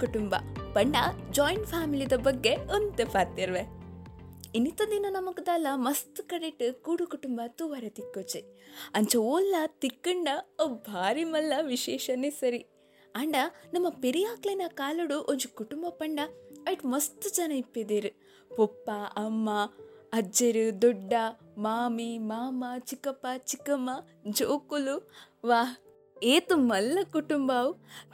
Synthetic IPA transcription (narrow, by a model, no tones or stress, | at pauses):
kuʈumbɐ̰pɐɳɖɐd͡ʒɔːjɳʈpʰaːmilid̪ɐbɐɡːeont̪epaːɾt̪iɾʋe | init̪ɐnd̪inɐnɐmɐkɐd̪ɐlːɐmɐst̪kɐɽiʈːɨkuːɽukuʈumbɐt̪uʋɐɾet̪ikːot͡ʃeɐɲt͡ʃɐoːlːɐt̪ikːɐɳɖɐobʱaːɾimɐlːɐʋiʃɛːʃɐneːsɐɾi | aːɳɖɐnɐmːɐpeɾijaːklɐjnɐkaːluɽuʔont͡ʃukuʈumbɐpɐɳɖaɐjʈmɐst̪ut͡ʃɐnɐipːed̪eɾu | pɔpːaʔɐmːaɐd͡ʒeɾud̪ɔɖːamaːmimaːmɐt͡ʃikɐpɐt͡ʃikɐmɐ | d͡ʒoːkulu | ʋaː | eːt̪umɐlːɐkuʈumbaːw